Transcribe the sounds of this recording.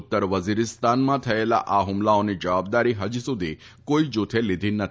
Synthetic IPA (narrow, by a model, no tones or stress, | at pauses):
t̪ːəɾʋəziɾɪst̪anmãt̪ʰəela̰ʔaɦʊmlaonid͡ʒəʋab̚d̪aɾiɦəd͡ʒusud̪ʱi | koid͡ʒot̪ʰelid̪ʱinət̪ʰi